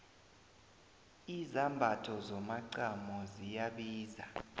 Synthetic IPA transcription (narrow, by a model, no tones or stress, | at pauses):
izambʱatʰɔzɔmaǀamɔzijaɓiːza